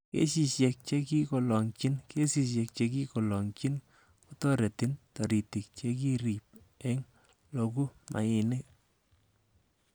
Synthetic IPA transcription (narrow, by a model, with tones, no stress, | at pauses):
kḛ˦ʃi˨ʃjɛ˧k̚t͡ʃe˦ki˦kɔ˨lɔ˨ŋt͡ʃi˦nke˦si˨ʃ̬ɛ˧k̚t͡ʃe˧ki˦kɔ˨lɔ˨ŋt͡ʃi˦n | ku˦tɔ˦ɾe˨ti˦ntɔ˨ɾi˨ti˨k̚t͡ʃe˦k̬i˦ɾi˨p̚ | ɛ˦ŋ | lo˧ku˦mʔa̰˨ɪ˨ne˦